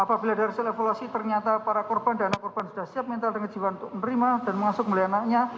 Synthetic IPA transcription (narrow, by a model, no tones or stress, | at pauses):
apabiladaɾisalefoluasit̪ərɲat̪apaɾakɔrb̥andanaʔkɔrb̥ansud̥ahsiap̚mɛnt̪aldəŋə̥d͡ʒiwanut̪ʊk̚nəɾimad̥anməŋasʊk̚mulajanaʔkɲa